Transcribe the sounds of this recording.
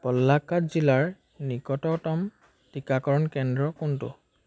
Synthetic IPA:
pɔlːakːatzilaɹ | nikɔtɔtɔm | tikakɔɹɔnkɛndɹɔkʊntʊ̰

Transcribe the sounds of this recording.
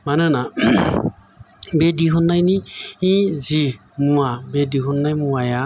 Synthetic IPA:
manɯna | bediɦɔnːajniĩzimuwabediɦɔnːajmuaja

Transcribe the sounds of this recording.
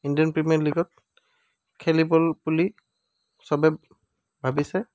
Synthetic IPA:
indiɔnpɹimiɔɹliɡɔt̚ | kʰelibɔlbuli | sɔbɛ | bʱabisɛ

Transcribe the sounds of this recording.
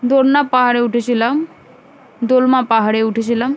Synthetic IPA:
d̪oɽnapaɦaɽeuʈʰəɕilam | d̪olmapaɦaɽeuʈʰəɕ̬ilam

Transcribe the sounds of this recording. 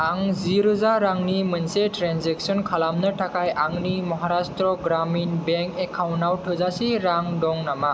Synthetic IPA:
aŋziɾɯzaɾaŋnimənseʈɾanzɛksɔnkʰalamnɯʈʰakajʔaŋnimɔɦaɾastɾɔɡɾaminbɛŋkekʰawnawʈʰɯzasiɾaŋdɔŋnama

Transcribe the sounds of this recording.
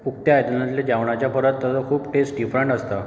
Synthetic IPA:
uk̚t̪jaajt̪ənat̪ljad͡ʑaʋɳ̃at͡ɕjapəɾət̪ːəsəkʰuːpʈesʈɖifɾəɳʈəst̪a

